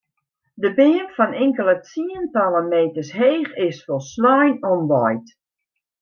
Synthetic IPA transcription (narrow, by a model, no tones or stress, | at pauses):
dəbɪəmfɔnɪŋkəlˠət͡siəntɔlˠəmeːtəsɦeːxɪsfɔlˠslɔjnɔnʋɔjt